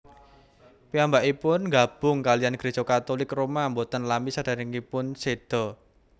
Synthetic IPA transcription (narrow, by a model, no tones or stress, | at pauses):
piambaʔipʊnŋɡa̤b̥ʊ̤ŋkalijanɡ̥ɾesokat̪olɪkromambot̪ənlamisad̥a̤ɾiŋipʊnsed̥ɔ̤